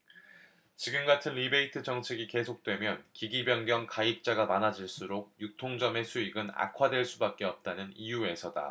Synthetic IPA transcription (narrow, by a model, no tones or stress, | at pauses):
t͡ɕiɡɯmɡatʰɯnɾibe̞itʰɯt͡ɕʌŋt͡ɕʰeɡike̞sʰok̚t͈we̞mjʌnkiɡibjʌŋɡjʌmkaip̚t͡ɕ͈aɡamanad͡ʑiɭs͈uɾoɡ̚juk̚tʰoŋd͡ʑʌme̞sʰuiɡɯna̰kʰwadwe̞ɭs͈ubak̚k͈e̞ʌp̚t͈anɯnijue̞sʰʌda̰